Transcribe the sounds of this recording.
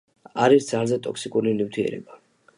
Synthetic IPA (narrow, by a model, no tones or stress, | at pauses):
aɾisd̪zalzɛt̪ʼɔksikʼuɾinift̪ʰiɛ̰ɾɛ̰ba